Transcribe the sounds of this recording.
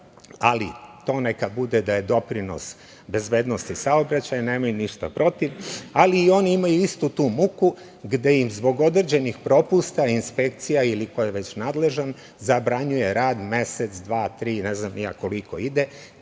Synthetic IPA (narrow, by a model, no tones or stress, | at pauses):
alḭt̪oːne̞kabud̪ed̪aje̞d̪o̞pɾino̞̰s | be̞zbe̞ːd̪no̞st̪isaobɾat͡ɕajaneːmajuniʃt̪a̰pɾo̞t̪iʋaliːo̞niimajuist̪ut̪uːmuku | ɡd̪e̞jimzbo̞ɡo̞d̪r̩d͡ʑenixpɾo̞pust̪ainspe̞kt̪sijailiko̞jeʋe̞t͡ɕnaːd̪le̞ʒan | zabɾaɲuje̞ɾaːd̪me̞set̪sd̪ʋaːt̪ɾiːne̞znamija̰ːko̞liko̞̰id̪e